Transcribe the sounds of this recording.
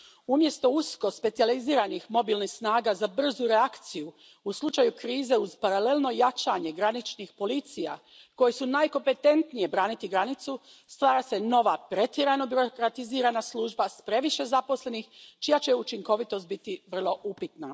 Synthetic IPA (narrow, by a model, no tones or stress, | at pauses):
umje̞st̪o̞usko̞spet̪sializiːɾanixmo̞bilnixsnaːɡazabr̩zuɾeakt̪siju | uslˠut͡ʃajukɾiːze̞uzpaɾale̞lno̞jat͡ʃaɲe̞ɡɾanit͡ʃnixpo̞lit̪sija̰ | ko̞jisunaːjko̞mpe̞t̪e̞nt̪nije̞bɾaːnit̪iɡɾanit̪su | st̪ʋaːɾase̞no̞ʋapɾe̞t̪jeɾajno̞biɾokɾat̪iziːɾanaslˠuːʒbaspɾe̞ʋiʃe̞zapo̞sle̞nixt͡ʃijat͡ɕe̞ut͡ʃiŋko̞ʋit̪o̞st̪bit̪iʋr̩lˠo̞ʔupit̪na